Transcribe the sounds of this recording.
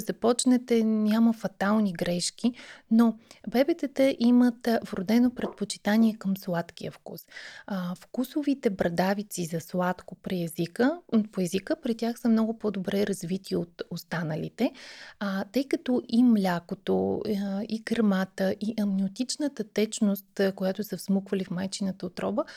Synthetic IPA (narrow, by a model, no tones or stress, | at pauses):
zɐpɔt͡ʃnɛt̪ɛnʲaməfɐt̪alˠniɡɾɛʃk̟inobɛbɛt̪ɛt̪əʔimət̪vɾod̪ɛnopɾɛt̪pot͡ʃi̥t̪aniɛkəmslˠat̪k̟ijə̰fkṵs | fkusovit̪ɛbɾɐd̪avit̪sizɐslˠat̪kopɾiɛzikəpoɛzikəpɾit̪ʲjaxsəmnɔɡʊpod̪obɾɛɾɐzvit̪ʰiot̪ost̪anəlḭt̪ɛ | t̪ɤjkɐt̪ɔʔimlʲakot̪o | ikɾmat̪əʔiʔɐmnʲiot̪it͡ʃnət̪ət̪ɛt͡ʃnost̪kojat̪ʊsɐfsmukvəlifmajt͡ʃinət̪əot̪ɾɔbə